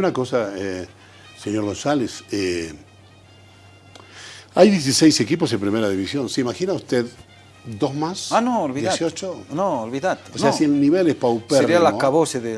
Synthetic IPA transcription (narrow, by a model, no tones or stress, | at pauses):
unakosae | seɲo̞ɾɣõ̞nsalese | ajðjes̬isejsekipo̞sðempɾimeɾaðiβisjonseimaxinaust̪eð | d̪osmasanoolβijeesijot͡ʃonoolβiðat̪oseasielniβelespawpeeɾɾialakaβoseðe